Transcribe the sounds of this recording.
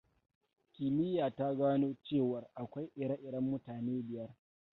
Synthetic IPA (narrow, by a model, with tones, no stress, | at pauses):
kʲɪ˨mɪ˦jaː˨ta˦ɡaː˦noː˦t͡ʃeː˦˨wɐ˨rʔa˨kʷa˦jʔɪ˨ɽa˦ʔɪ˨ɽɐ˦mːʊ˦taː˨neː˦bɪ˨jɐ˦r